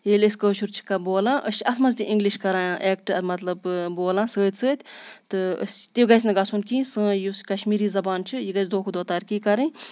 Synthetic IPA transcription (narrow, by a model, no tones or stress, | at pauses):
jeːlʲəsʲkəːt͡ʃʰuɾt͡ʃʰi̥kɐboːlãːʔəsʲɐsmɐzt̪ʲiʔiŋɡliʃkɐɾãːãʔeːk̚ʈɐɾmɐt̪lɐbboːlãːsəːt̪ʲsəːt̪ʲt̪ɨə̰sʲt̪iɡɐs̬ʲnɐɡɐsunkĩːsə̃ːjuskɐʃmiːɾiːzɐbaːnt͡ʃʰijiɡɐs̬ʲd̪oːkʰud̪oːt̪aːɾkiːkɐɾɨ̃